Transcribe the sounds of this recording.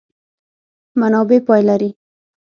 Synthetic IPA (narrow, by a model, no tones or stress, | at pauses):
manɑbepɑjlaɾi